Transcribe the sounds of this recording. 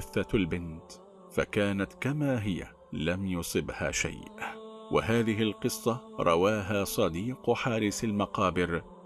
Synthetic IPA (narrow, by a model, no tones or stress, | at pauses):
ɪθːalbɪnt̪ | fa̰kaːnat̪kamaːɦɪja̰ | lamjʊsˤɨbha̰ːʃa̰jʔwa̰ɦaːðɪɦɪlqɨsˤːɑɾˤʔɑ̰waːɦaːsˤɑd̪iːqħɑːɾˤɪsalmɑqɑːbɪɾ